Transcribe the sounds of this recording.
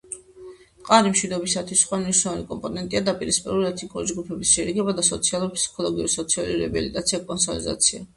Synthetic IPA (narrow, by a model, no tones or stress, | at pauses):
qʼaɾimʃwid̪ɔbisat̪ʰwisχwamniʃnɛvˠanikʼɔmpʼɔnɛnt̪ʼiad̪apʼiɾispʼiɾuliɛt̪ʰnikʼuɾid͡ʒɡupʰɛbisʃɛɾiɡɛbad̪asɔt̪sʰialˠuɾipʰsi̥kʰɔlˠɔɡiṵɾisɔt̪sʰialuiɾɛbilit̪ʼat̪siakʼɔnsɔlḭza̰t̪sʰia